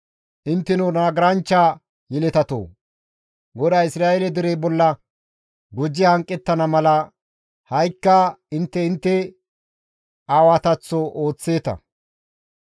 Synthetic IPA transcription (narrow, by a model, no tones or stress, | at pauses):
ʔɪnt̪ːɛnunaːɡɪɾɐnt͡ʃːaː | jɪlɛt̪ɐt̪o̰ː | ɡɔd̪aːɪsɾaːʔelɛd̪ɪɾebɔlːɐ | ɡɔd͡ʒːɪhɐŋkʼːɛt̪ːɐnɐmɐlɐ | hɐjkːɐɪnt̪ːɛɪnt̪ːɛ | aːwat̪ɐt͡sːɔʔoːt͡sːe̞ːt̪ɐ̰